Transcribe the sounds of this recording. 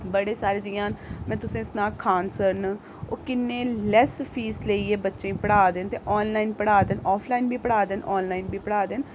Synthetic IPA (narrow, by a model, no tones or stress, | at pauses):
bəɽeːsaːld͡ʒɪjãːnmɛ̃ːt̪ʊsẽːɪsnaːkʰaːnsəɾn | oːkɪnːẽːlɛːspʰiːsleːiːeːbətːʃẽːĩːpəɽaːd̪ent̪eːʔɔːnlaːinpəɽaːd̪ənɔːpʰlaːinbʱiːpəɽaːd̪enʔɔːnlaːinbʱiːpəɽaːd̪en